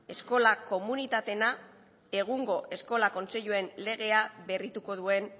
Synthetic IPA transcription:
e̞sko̞lako̞munit̪at̪e̞na | e̞ɣ̞uŋɡo̞ʔe̞sko̞lako̞nseʎue̞nle̞ɣe̞aβe̞rit̪uko̞ðue̞n

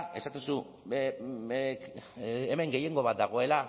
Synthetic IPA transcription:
e̞sat̪ensu | eme̞ŋɡe̞je̞ŋɡo̞βat̪̚d̪aɣ̞o̞e̞la

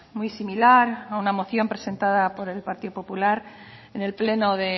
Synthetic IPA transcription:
mujsimilaɾaunamo̞θjo̞mpɾe̞se̞nt̪aðapo̞ɾe̞lpaɾt̪iðopo̞pulaɾ | ene̞lple̞no̞ðe̞

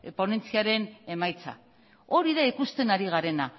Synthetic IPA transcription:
po̞ne̞nt͡siaɾe̞ne̞majt͡sa̰ | o̞ɾiðaikust̪e̞naɾiɣ̞aɾe̞na

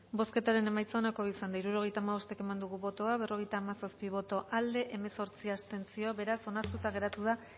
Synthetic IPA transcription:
bo̞ske̞t̪aɾe̞ne̞majt͡sonako̞βisand̪aiɾuɾo̞ɣ̞e̞jt̪aːmaβo̞st̪ekemand̪uɣuβo̞t̪o̞aβ̞e̞rʔo̞ɣ̞e̞jt̪aːmasaspiβ̞o̞t̪o̞ʔald̪e̞ʔeme̞so̞ɾt͡siast̪e̞nt͡sio̞βe̞ɾaso̞nast̪ut̪aɣe̞ɾat̪uða

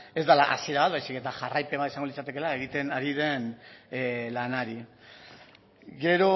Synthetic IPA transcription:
e̞zd̪alaʔa̰siɾaβat̪βajsike̞t̪aʝarajpe̞βat̪isaŋɡo̞lit͡sat̪e̞ke̞laeɣ̞it̪e̞naɾið̞e̞n | lanaɾi | ɡe̞ɾo̞

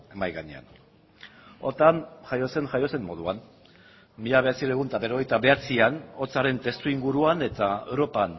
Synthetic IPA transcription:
emajɣaɲḛa̰n | o̞ɾt̪anʝajo̞se̞ŋʝajo̞se̞mːo̞ð̞uan | miʎaβe̞at͡siɾeɣ̞unt̪aβe̞ɾo̞ɣ̞e̞jt̪aβe̞at͡siano̞t͡saɾe̞nt̪e̞st̪uiŋɡuɾuane̞t̪ae̞wɾo̞pan

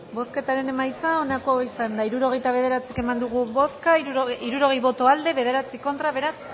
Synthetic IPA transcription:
bo̞ske̞t̪aɾe̞ne̞majt͡sao̞nako̞isand̪aiɾuɾo̞ɣ̞e̞jt̪aβ̞e̞ðe̞ɾat͡sikemand̪uɣ̞uβo̞skaiɾuɾo̞ɣ̞ejβo̞t̪oald̪e̞βe̞ð̞e̞ɾat͡siko̞nt̪ɾaβe̞ɾas

